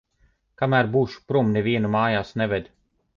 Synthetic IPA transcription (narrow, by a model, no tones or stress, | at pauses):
kamæːɾbuːʃu̥pɾumneviɛnumaːjaːsnɛvɛd̪ʲ